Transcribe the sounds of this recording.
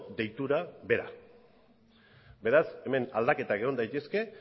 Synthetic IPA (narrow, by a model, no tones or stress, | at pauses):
d̪e̞jt̪uɾaβe̞ɾa̰ | be̞ɾase̞me̞nald̪ake̞t̪akeɣo̞nd̪ajt̪e̞ske̞